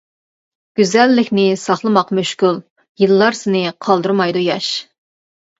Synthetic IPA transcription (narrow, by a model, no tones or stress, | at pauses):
ɡ̥ʲyzɛlːɪkʲnɪsɑχlˠɨmɑqmøʃkʊlˠ | jɨlˠːɑɾsɪnɪqʰɑlˠd̪uɾmɑjd̪ujɑʃ